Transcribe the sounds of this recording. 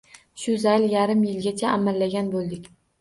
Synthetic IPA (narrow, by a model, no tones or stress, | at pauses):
ʃʊzajljaɾɪmjɪlɡʲat͡ʃʰaʔamalːaɡʲanbolˠd̪ɪkʲ